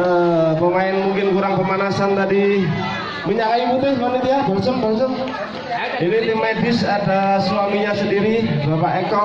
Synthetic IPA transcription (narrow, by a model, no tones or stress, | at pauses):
əməmaɪnmuŋkɪnkuɾaŋpəmanasant̪adi | miɲakaimut̪ɪsbanit̪ijabaŋsəmbaŋsəm | init̪imadɪsadaswamiɲasəndiɾibapaʔekɔ